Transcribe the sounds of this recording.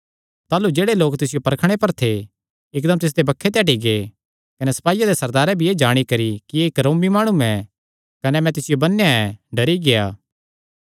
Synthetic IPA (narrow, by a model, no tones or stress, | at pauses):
t̪aːlud͡ʒeːɽeloːkt̪ɪsɪjopɐɾəkʰɽ̃epɐɾt̪ʰe | ɪkd̪ɐmt̪ɪs̬d̪ebɐkʰːet̪̬ɛːʈ̬iɡeː | kɐnɛsɐ̥paːɪjad̪esɐɾd̪aːɾɛbʱieːd͡ʒaːɽ̃ikɐɾikieɪkɾõːmimaːɽ̃uɛ̃ | kɐnɛmɛ̃t̪ɪsɪjobɐnːejaɛ̃ɖɐɾiɡeja̰ː